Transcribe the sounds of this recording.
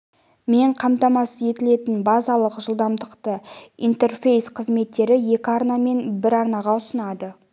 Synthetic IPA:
me̞ɴqʰɑmt̪ɑmɑsəe̞t̪ɪle̞t̪ɪnbɑzɑlˠəqʒəlˠd̪ɑmd̪əqt̪əḭjnt̪e̞rfe̞jsqʰəzme̞t̪ːe̞ɾɪje̞kʲɪɑɾnɑme̞nbɪɾɑɾnɑʁɑʊsənɑd̪ə

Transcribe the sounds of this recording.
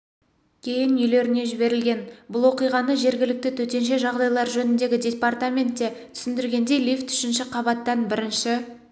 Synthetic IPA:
kʲʰe̞jɪnʏjle̞ɾɪne̞ʒɪβe̞ɾɪlɡʲe̞nbʊlˠwo̞qijʁɑnəʒe̞ɾɡʲɪlɪk̚t̪ɪt̪ʰɵt̪e̞nʃ̬e̞ʒɑʁd̪ɑjlˠɑɾʒɵnɪnd̪e̞ɡʲɪd̪ʲe̞part̪amʲe̞nt̪ːe̞t̪ʰʏ̥sɪnd̪ɪɾɡʲe̞nd̪e̞jlift̪ʰʏ̥ʃɪnʃɪqʰɑbɑt̪ːɑnbɪɾɪnʃɪ

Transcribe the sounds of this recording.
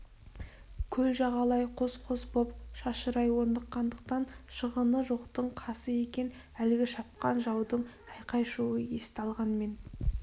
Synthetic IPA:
kʲʰɵlʒɑʁɑlˠɑjqʰo̞sqʰosbopʃɑʃəɾɑjwo̞ɾnd̪əqːɑnd̪əq̚t̪ɑnʃəʁənəʒoqt̪əɴqʰɑsəje̞kʲe̞n | ælɪɡʲɪʃɑp̚qɑnʒɑwd̪əɴɑjqɑjʃuwəjest̪ɑlˠʁɑnme̞n

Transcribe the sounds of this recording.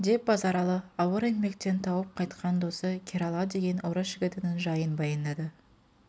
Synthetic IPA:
d̪e̞p̚bɑzɑɾɑlˠəɑwəɾenme̞kt̪e̞nt̪ʰɑwəp̚qʰɑjt̪qʰɑnd̪o̞səkʲʰeɾɑlˠɑd̪e̞ɡʲe̞nʔoɾəʒɪɡʲɪt̪ɪnɪnʒɑjənbɑjɑnd̪ɑd̪ə

